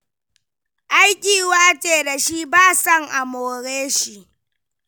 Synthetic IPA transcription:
ʔa˦jkʲiː˨waː˦t͡ʃʼeː˨da˨ʃi˦baː˦sɐ˦˨ŋʔa˨moː˨ɾeː˦ʃi˦˨ʔ

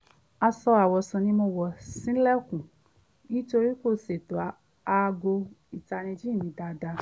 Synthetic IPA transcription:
a˧sɔ˧a˨wɔ˨sũ˨nĩ˧mo˧wɔ˨sĩ˨˦lɛ˦˨kũ˨ | nĩ˦to˧ɾi˦ko˦˨se˨to˨a˨˦ | a˧ɡo˧i˨ta˧nĩ˧d͡ʒĩ˦˨nĩ˨˦da˧da˧

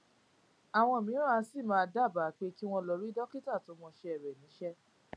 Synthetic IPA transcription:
a˨w̃ɔ̃˧˨mĩ˨˦ɾa˦˧˦si˦˨mãː˦˧da˦˨ba˨˦˨k͡pe˦ki˦w̃ɔ̃˧lɔ˧ɾi˦dɔ˦ki˦ta˦˨to˨˧˦mɔ̃˧ʃɛ˧ɛ˨ɾɛ˨nĩ˨˦ʃɛ˦

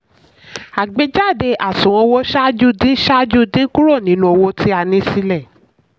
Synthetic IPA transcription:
a˨ɡ͡be˨˧˦d͡ʒa˦˨de˧ʔa˨sũ˨w̃ɔ̃˧wo˦ʃa˦d͡ʒu˦˨dĩ˦ʃa˦d͡ʒu˦dĩ˦ku˦ɾo˦˨nĩ˨˦lũ˧o˧wo˧ti˦a˧nĩ˧˦si˧˦lɛ˦˨

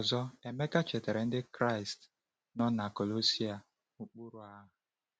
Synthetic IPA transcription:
ɔ˨zɔ˦e˨me˦ka˦t͡ʃe˨te˨ɾe˨n̩˦dɪ˦kɾa˦ɪ˨st | nɔ˦na˨ko˨lo˦si˦a˨ | u˨k͡pu˦ɾu˨a˦ɦʊ˨

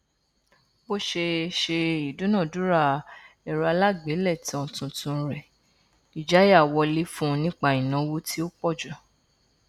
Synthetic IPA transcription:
bo˦ʃe˧ʃe˧i˨du˨˦nã˦˨du˨˦ɾa˦˨ | ɛ˨ɾa˧la˦ɡ͡be˨˦lɛ˦˨ti˨˦ɔ̃˧tũ˧tũ˧˦ɾɛ˨ | i˨d͡ʒa˨˦ja˦˨wɔ˧li˦fũ˦˧nĩ˦k͡pa˦i˨nã˨˦wo˦tʰi˦o˦k͡pɔ˦˨d͡ʒɔ˨

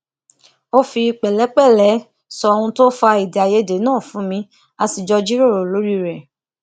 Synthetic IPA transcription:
o˦fi˧k͡pɛ˨lɛ˨˦k͡pɛ˦˨lɛ˨˦ | sɔ˧ɔ˧ũ˧to˦fa˧i˨da˨je˦de˨˦nãː˦˨fũ˨˦mĩ˧˦ | a˧si˨d͡ʒɔ˧d͡ʒi˦ɾo˦˨ɾo˨lo˨˦ɾi˦˨ɾɛ˨

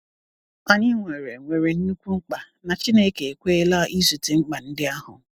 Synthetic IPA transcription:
a˨ɲɪ˦ŋʷe˨ɾe˨ŋʷe˨ɾe˨n̩˦nu˦kʷu˦ŋ͡m̩˦k͡pa˨ | na˨t͡ʃi˦ne˦ke˨e˨kʷe˦e˦la˦ʔi˦su˨te˨ŋ͡m̩˦k͡pa˨n̩˦dɪ˦a˦ɦʊ̰˨

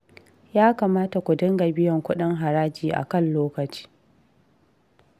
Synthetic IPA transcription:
jaː˦kaː˨maː˦ta˨kʷʊ˨dɪ˦ŋɡa˨bɪ˦jɐ˨ŋkʷʊ˦ɗɪ˦ŋɦa˨ɾaː˦d͡ʒiː˨ʔa̰˨kɐ˦˨nloː˦kɐ˨t͡ʃi̥ː˦

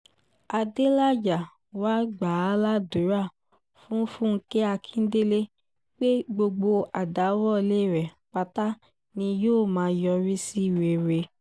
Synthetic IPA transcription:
a˧de˦la˦d͡ʒa˨ | wa˦ɡ͡ba˨˦la˦du˨˦ɾa˦˨ | fũ˦fũ˦˧˦ke˦a˧kʰĩ˦n̩˦de˦le˦ | k͡pe˦ɡ͡bo˧ɡ͡bo˧a˨da˨˦wɔ˦˨le˦˨ɾɛ˨ | k͡pa˧ta˦ | nĩ˧joː˦˨mãː˨˦˧jɔ˧ɾi˦si˦˨ɾe˨ɾe˧

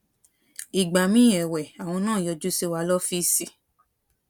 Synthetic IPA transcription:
i˨ɡ͡ba˨mĩ˦˨ɛ˨wɛ˨a˨w̃ɔ̃˧nãː˦˨jɔ˧d͡ʒu˦se˦wa˧˦lɔ˦fi˦si˦

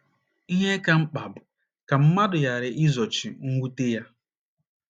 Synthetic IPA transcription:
i˦ɦe˦ka˦ŋ͡m̩˦k͡pa˨bʊ˨ | ka˨m̩˦ma˦dʊ˨ja˨ɾɪ˨ʔi˦zɔ˨t͡ʃi˨ŋ̩˦ɡʷu˦te˦ja˦

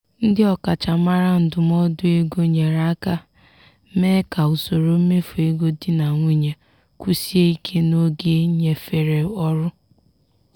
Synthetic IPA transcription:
n̩˦dɪ˦ɔ˦ka˨t͡ʃa˨ma˦ɾa˦n̩˨dʊ˨m˦ɔ˦dʊ˦e˦ɡo˦ɲe˨ɾa˦ka˦ | me˦ka˨u˨so˨ɾo˨˦me˦fu˨e˦ɡo˦dɪ˦na˨ŋʷi˦ɲe˨ | kʷu˦si˦e˦i˦kʰe˦no˦ɡe˦ɲe˨fe˨ɾe˨ɔ˦ɾʊ˦

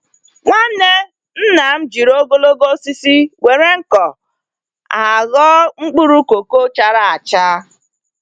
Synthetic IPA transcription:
ŋʷa˦ne˦ | n̩˦na˨m̩˦d͡ʒi˨ɾo˦ɡo˦lo˦ɡo˦si˦si˦we˨ɾe˦ŋ̩˦kɔ˨ | a˨ɣɔ˦ŋ͡m̩˦k͡pu˦ɾu˦ko˨ko˦t͡ʃa˦ɾa˦a˨t͡ʃa˦

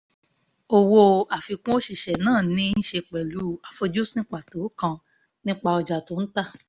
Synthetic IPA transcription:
o˧wo˧a˨fi˧kũ˦o˦ʃi˨ʃɛ˨nãː˦˨nĩ˦n̩˦ʃe˧k͡pɛ˨lu˨˦a˨fo˧d͡ʒo˦snĩ˦k͡pa˦˨to˨˦kã˧ | nĩ˦k͡pa˧ɔ˧d͡ʒa˨to˨˦n̩˦ta˦˨

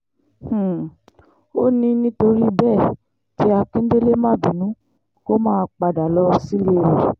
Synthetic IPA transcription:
h̩˨ | o˦nĩ˧nĩ˧˦to˧ɾi˦˧bɛ˦˨ | ti˦a˧kĩ˦n̩˦de˦le˦mã˦˨bi˨nũ˨˦ | ko˦mãː˦˧k͡pa˧da˨lɔ˧˦˧si˦le˦ɾe˨

